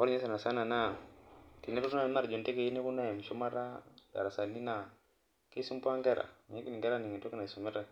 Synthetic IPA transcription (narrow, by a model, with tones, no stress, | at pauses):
o˦ɾe˦sa˨na˨sa˦na˨na˦˨ti˨ni˦ɾu˦ɾna˦˨˦na˦ɾd͡ʒo˨nte˦ke˦˨i˦ni˦ku˦na˦ja˨m˨ʃu˦ma˦ɾa˦ɡa̰˨ɾa˨sa˨ni˦na˨ | ke˦su˦m˦pu˦a˦ŋɡe˦ɾa̰˨ɲe˦ki˦i˨ŋɡe˦ɾa˦ni˨ŋi˨to˦ki˦na˨su˨me˦ɾa˦